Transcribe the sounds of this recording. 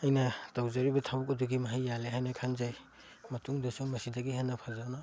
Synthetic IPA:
ɐjnɐtawzaɾibɐtʰabukɐduɡimɐɦajːaleɦajnɐkʰanzaj | mɐtuŋdɐsuŋmɐsidaɡiɦanːɐpʰazana

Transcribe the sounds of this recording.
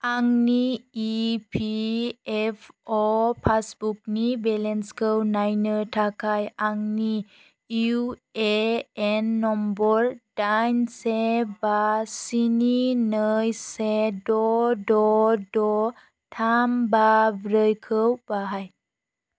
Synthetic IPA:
aŋniː | pʰiɛpʰɔpʰasbuk̚nibɛlɛnskʰəwnajnətʰakʰajaŋni | uueɛnːɔmbɔɾd̥ajnsebasininəjsedɔdɔdɔ | tʰambabɾəjkʰəwbaɦaj

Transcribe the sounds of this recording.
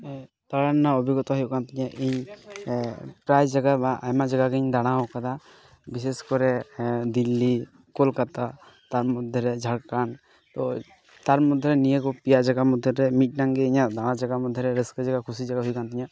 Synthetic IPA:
t̪aɽanːaobʱiɡɔt̪ɔɦɔjɔʔkant̪iɲaʔiɲ | pɾajd͡ʒaɡabaʔa̰jmad͡ʒaɡakeɲd̪aɽ̃aɦɔkat̪a | bis̬eskɔɾɛd̪ilːi | kolkat̪a | t̪aɾmɔd̪ʱjɔɾɛd͡ʒʱaɽkan | t̪ɔ | t̪aɾmɔd̪ʱjɔɾɛnijekɔpijad͡ʒaɡamɔd̪ʱjɔɾɛmiʈ̚ˀnaŋɡeiɲad̪aɽ̃ãd͡ʒaɡamɔd̪ʱːjɔɾɛɾesked͡ʒaɡakʰusid͡ʒaɡaɦujkant̪iɲa

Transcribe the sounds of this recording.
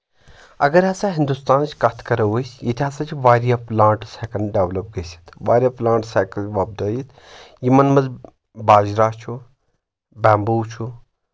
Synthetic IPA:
ɐɡɐɾɦɐsaɦind̪ust̪aːnt͡ʃʰkɐt̪ʰkɐɾɐʋusʲjit̪ʰʲɐsãt͡ʃʰʋaːɾijaplãːɳʈsɛkɐnɖeʋlɐp̚ɡesʲi̥t̪ʰʋaːɾʲjaplãːɳʈsɛkɐʋaːb̚d̪əːjit̪ʰ | jimɐnmɐz | baːd͡ʒɾaːt͡ʃʰu | bɛːmbuːt͡ʃʰu

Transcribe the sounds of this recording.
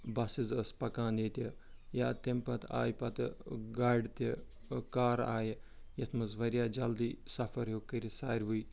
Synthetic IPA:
bɐsizəspɐkaːnet̪ʲeja̰ːt̪empɐt̪a̰ːjpɐt̪ɡaːɖt̪e | kaːɾa̰ːjjɐt̪ʰmɐzʋɐɾʲjaːd͡ʒɐld̪iːsɐfʰɐɾjoːkːəɾʲisaːɾʲʋuj

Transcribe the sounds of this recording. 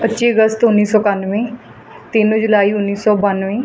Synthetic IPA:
pətːʃeːəɡəst̪ʊnːiːsɔːkanʋẽː | t̪ɪnd͡ʒʊlaːiːʊnːiːsɔːbanʋẽː

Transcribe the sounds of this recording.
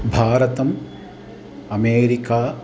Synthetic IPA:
bʱaːɾɐt̪ɐm | ɐmeːɾikaː

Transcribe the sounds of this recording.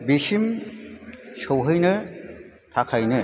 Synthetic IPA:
bisim | sɯwɦɯjnɯ | tʰakʰajnɯ

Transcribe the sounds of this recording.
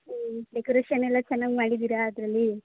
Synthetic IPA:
ɖekoɾeːʃɐnɛlːɐt͡ʃɛnːaɡmaːɽid̪iːɾɐːd̪ɾɐlːi

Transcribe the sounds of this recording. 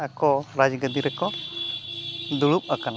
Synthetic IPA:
akɔɾad͡ʒɡəd̪iɾɛkɔ | d̪uɭup̚akan

